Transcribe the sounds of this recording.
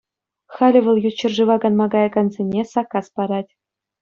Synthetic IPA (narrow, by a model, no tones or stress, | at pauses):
xɑlʲɘ̆ʋɤ̆lˠjut͡ɕːɘ̆rʐɯʋɑɡɑnmɑɡɑjɑɡɑnzʲenʲesɑkɑspɑɾɑtʲ